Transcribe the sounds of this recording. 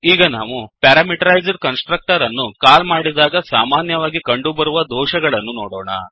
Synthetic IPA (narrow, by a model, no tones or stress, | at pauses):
iːɡɐna̰ːʋupɛːɾaːmiʈɐɾɐjd͡ʒɐɖkɐnsʈɾɐk̚ʈɐɾɐnːukaːlmaːɽid̪aːɡɐsaːmaːnjɐʋaːɡikɐɳɖubɐɾuʋɐd̪ɔːʃɐɡɐɭɐnːunɔːɽɔ̰ːɳɐ̰